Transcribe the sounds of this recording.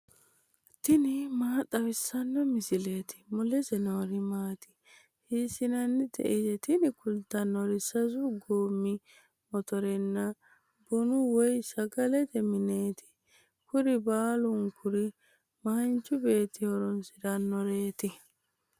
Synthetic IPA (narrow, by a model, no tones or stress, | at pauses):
t̪ɪnɪmaːt̪ʼːɐwɪsːɐnːɔmɪsɪleːt̪ɪ̥mʊlɛsɛnoːɾɪmaːt̪ɪ̥ | hiːsɪnɐnːɪd̪ɛ̰ʔɪsɛt̪ɪnɪkʊlt̪ːɐnːɔɾɪsɐzʊɡoːmːɪ | mɔt̪ɔɾɛnːɐ | bʊnʊwɔjsɐɡɐlɛt̪ɛmɪneːt̪ɪ̥ | kʊɾɪbaːlʊŋkʰʊɾɪ | mɐnt͡ʃːʊbe̞ːt̪ːɪhɔɾɔnsɪɾɐnːɔɾe̞ːt̪ɪ